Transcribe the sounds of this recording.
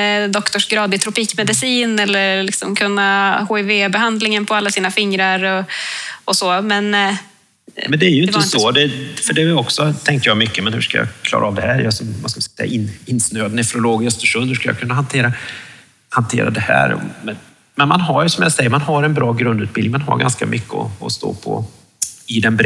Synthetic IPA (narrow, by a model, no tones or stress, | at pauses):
d̪ɔkt̪ɔʂɡɾɑːd̪ɪt̪ʰɾʊpiːkmɛd̪ɪsiːnɛlːəɾlɪksɔmkʰɵnːahoːɛveːbɛɦand̪lɪŋənpʰɔalːasiːnafɪŋɾaɾɔɔsoːmɛn | mɛnd̪ɛæjɵɪnəsod̪ɛfœɖɛɔksɔt̪ʰɛŋk̪əjɑmʏkːəmɛnhʉ̟ːʂkajɑ̰kʰlɑ̰ːɾʔaɑːvd̪ɛhæːɾjɑsɔmvaskalɪssɛ̰jːa̰ʔɪnɪnːsnøːad̪nɛfɾʊloːɡɪst̪əʂɵnhʉ̟ʂkalja̰kʰɵnːaɦant̪ʰeːɾa | hant̪ʰḛːɾa̰d̪ɛhæ̰ːɾɔ̰mɛn | mɛnmanɦaɾjsɔmjasɛjːəɾmanɦaɾɛnbɾɑːɡɾɵnd̪ʉ̟ːt̪bɪlɪŋmanɦa̰ɾɡa̰nska̰mʔʏkːəɔ̰ɔst̪o̰ːpʰɔ̰ | ɪd̪ɛnbɾ